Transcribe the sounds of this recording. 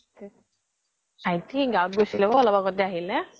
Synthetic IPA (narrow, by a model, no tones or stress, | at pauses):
ajtiɡawʊt̚ɡojsilɛbɔɔlɔbakɔtɛaɦilɛ